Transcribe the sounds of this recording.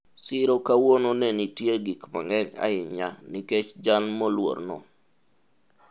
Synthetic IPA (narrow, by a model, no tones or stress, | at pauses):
sɪɾokawononɛnitjeɡikma̰ŋɛɲa̰ɪɲaniket͡ʃd͡ʒanmolwo̰rnɔ̰